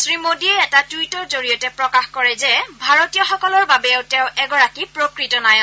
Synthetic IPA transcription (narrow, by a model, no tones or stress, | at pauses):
sɹimodiɛːtatujtɔɹzoɹijɔtɛpɹɔkaxkɔɹɛzɛbʱaɹotijɔxɔkɔlɔɹbabɛʊtɛʊ̃ʔɛɡɔɹakipɹokɹitɔnaj